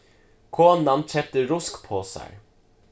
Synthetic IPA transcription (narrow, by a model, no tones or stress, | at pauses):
kʰoːnɑnt͡ʃʰɛp̚t̪əɾʊskpʰoːsæ̰ɪ